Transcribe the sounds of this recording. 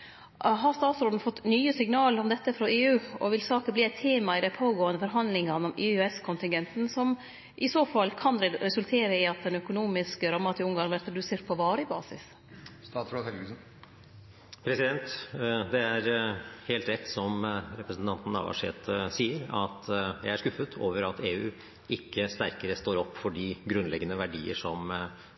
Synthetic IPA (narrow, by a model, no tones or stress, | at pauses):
ɦɑst̪ɑːt̪sɾoːd̪n̩fɔt̪ːnyːəsɪŋnɑːləɾɔmd̪ɛt̪ːəfɾɔeːʉːɔʋɪlsɑːkəbliːɛɪt̪ʰːeːmɑɪd̪æɪpʰoːɡoːənd̪əfɔɾɦɑnd̪lɪŋɑnəɔmɪːøɛskʰʊnt̪ɪŋɡɛnt̪n̩sɔm | ʔɪsoːfɑlːkʰɑnɾɛɾɛsʉlt̪ʰeːɾəɪɑt̪̚d̪ɛnœkʊnuːmɪskəɾɑmːɑt̪ɪʊŋɡɑɾʋæɾt̪ʰɾɑd̪ʉseːɾʈ̪̚pʰɔʋɑːɾəbɑːsɪ̰s | st̪ɑːt̪sɾɔt̪hɛlɡʉsn̩ | pʰɾɛsɪd̪ɛnt̪d̪ɛæɾheːlt̪ɾɛt̪ːsɔmɾɛpɾəsn̩t̪ɑnt̪n̩ɑ̰ʋɑ̰ʂḛːt̪siːəɾɑ̰t̪jæ̰ɪæʂkʉfət̪ʰoːʋəɾɑt̪ʰeːʉː | ʔɪkːəst̪æɾkəɾəst̪oːɾɔpːfɔɖiːɡɾʉnlɛɡənəʋæɖḭːə̰ʂɔm